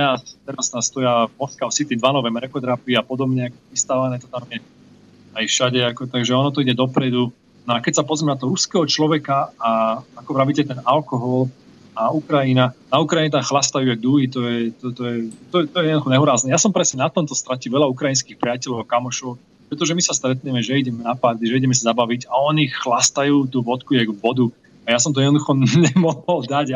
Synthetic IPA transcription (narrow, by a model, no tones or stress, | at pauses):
ɛast̪ɛɾast̪ast̪ɔjavmɔskaɔsit̪id̪ʋanɔʋɛmɛɾɛkɔt̪ɛɾapiiapɔd̪ɔbɲɛakɔist̪aːʋanɛt̪ɔt̪amjɛ | ajfʃaɟɛakɔt̪aɡʒɛɔnɔt̪ɔiɟɛd̪ɔpɾɛd̪u | nɔakɛcsapɔzɾimɛnat̪ɔɦɾuskɛɦɔt͡ʃlɔʋɛkaaakɔʋɾaʋicɛt̪ɛnalkɔɦɔl | aukɾajinanaukɾajiɲɛt̪amxlast̪ajuaɡ̚d̪uɦit̪ɔjɛt̪ɔt̪ɔjɛt̪ɔɛt̪ɔjɛjɛd̪d̪uxɔɲɛɦuɾaːznɛjasɔmpɾɛsɲɛnat̪ɔmt̪ɔst̪ɾaciʋɛlaukɾajins̬kixpɾɪacɛlɔʊakamɔʃɔʊ | pɾɛt̪ɔʒɛmisast̪ɾɛt̪ɲɛmɛʒɛiɟɛmɛnapaɾd̪iʒɛiɟɛmɛs̬izabaʋiɟaɔniːxxlast̪ajuːt̪uʋɔt̪kujɛɡʋɔd̪u | ajasɔmt̪ɔjɛd̪nɔd̪uxɔɲɛmɔɦɔld̪aɟ